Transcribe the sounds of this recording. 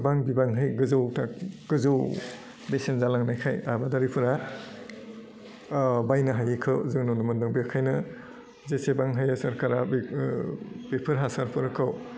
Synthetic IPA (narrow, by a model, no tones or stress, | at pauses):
baŋbibaŋɦɯjɡɯzɯwtʰaɡ̥ɯzɯw | besenzalaŋnajkʰajabadaɾipʰɯɾa | bajnɯɦajɯkʰɯwzɯŋnunɯmɯndɯŋbekʰajnɯ | zesebaŋɦɯjasɐɾkaɾab | b̥epʰɯɾɦasaɾpʰɯɾɯkʰɯw